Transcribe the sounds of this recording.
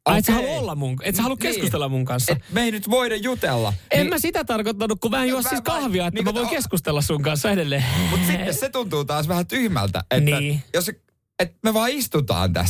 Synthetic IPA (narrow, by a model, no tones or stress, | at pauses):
ɑet̪sehɑluolːɑmmuŋket̪sehɑlukkeskkust̪elːɑmmuŋkɑnsːɑmeinyt̪ʋoiɾejjut̪elːɑ̰emmæsit̪æt̪ɑrkot̪ːɑnːukkumæːnjuɑssiskɑhʋiɑet̪neŋkuʋoikeskust̪elːɑssuŋkɑnsːɑedelːemut̪sit̪ːesset̪unt̪uːt̪ɑːsʋæhæt̪yhmæ̰lt̪æ̰etniːæːjos | et̪meʋɑːist̪ut̪ɑ̰ːnt̪æ̰s